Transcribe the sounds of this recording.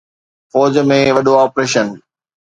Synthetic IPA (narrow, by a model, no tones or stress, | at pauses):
fɔːd͡ʑmẽʋɐɗoaːpɾeːʃən